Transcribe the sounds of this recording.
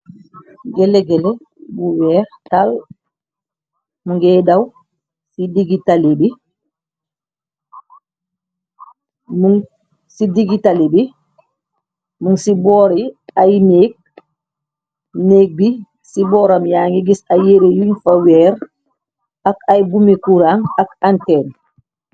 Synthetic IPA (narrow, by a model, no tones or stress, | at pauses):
ɡɛleɡɛle | buwɛːɾtal | muŋɡɛdaw | sidiɡitalebi | muŋ | sidiɡitalibi | muŋsibɔːɾiajmeːk̚ | neːk̚bi | sibɔːɾamjaːŋiɡisajeɾejunfawɛːɾ | akajbumekuɾaŋakantɛːn